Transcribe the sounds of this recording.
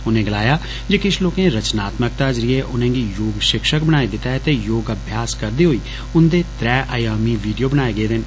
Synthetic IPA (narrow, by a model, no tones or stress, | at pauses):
ʊnẽːɡəlaːjaː | d͡ʒeːkɪʃʰloːkẽːɾət͡ʃnaːt̪mək̚t̪aːd͡ʒɾɪeːʔʊnẽːɡiːjoːɡʃɪkʃəkbənaːeːd̪ɪt̪ːaɦɛt̪eːjoːɡəbʱjaːskəɾd̪iːɦoːiː | ʊnd̪eːt̪ɾɛːʔaːjaːmiːʋiːɖijoːbənaːeːɡəeːd̪ɪn